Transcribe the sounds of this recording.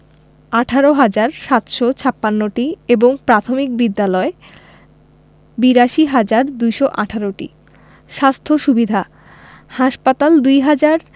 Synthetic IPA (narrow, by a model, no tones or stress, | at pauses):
aʈʰaɾoɦad͡ʑaɾʃat̪ʃɔt͡ɕʰapːanːoʈieboŋpɾat̪ʰomik̚bid̪ːalɔe | biɾaʃiɦad͡ʑaɾd̪ujʃɔʔaʈʰaɾoʈḭ | ʃast̪ʰoʃubid̪ʱa | haʃpat̪ald̪ujɦad͡ʑaɾ